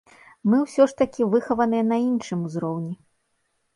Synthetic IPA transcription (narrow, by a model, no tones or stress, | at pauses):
mɨwsʲɔʂt̪ɐkʲivɨxɐvɐnɨjɐn̪ɐinʂɨmuzɾɔwnʲi